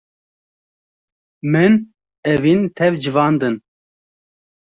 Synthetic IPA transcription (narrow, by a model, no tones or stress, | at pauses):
mɨn | ɛvint̪ʰɛvd͡ʒɨvɑːnd̪ɨn